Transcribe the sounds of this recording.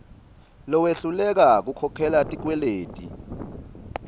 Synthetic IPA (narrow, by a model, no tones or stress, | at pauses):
lɔweɬulɛk̬ak̬ukʰɔkʰɛlatʼik̬wɛleːtʼḭ